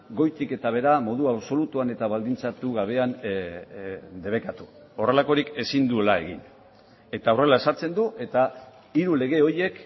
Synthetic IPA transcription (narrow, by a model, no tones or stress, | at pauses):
ɡo̞jt̪ike̞t̪aβ̞e̞ɾamo̞ðuaβso̞lut̪uane̞t̪aβald̪int͡sat̪uɣaβ̞e̞an | d̪e̞β̞e̞kat̪u̥ | o̞re̞lako̞ɾike̞sind̪uelae̞̰ɣḭn | e̞t̪aore̞lae̞saɾt͡se̞nd̪uʔe̞t̪a | iɾule̞ɣ̞e̞o̞je̞k